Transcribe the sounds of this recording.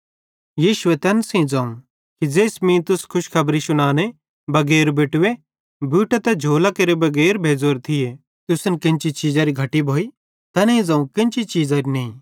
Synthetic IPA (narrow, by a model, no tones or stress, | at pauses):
jiːʃʊet̪ɛnsĩd͡zãːũ | kid͡zeːsmĩt̪ʊskʰʊʃkʰɐbɾisʊñaːne | bɐɡeːɾbeːʈʊwe | bʱuːʈet̪ɛd͡ʒʱoːlakeːɾebɐɡɛːɾbʱeːd͡zoːɾt̪ʰɪje | t̪ʊsnkɪ̃nt͡ʃit͡ʃiːd͡zaɾiɡʱɐʈibʱoːi | t̪ɐnɐĩd͡zãːũkɪ̃nt͡ʃit͡ʃiːd͡zaɾinɐ̃ĩ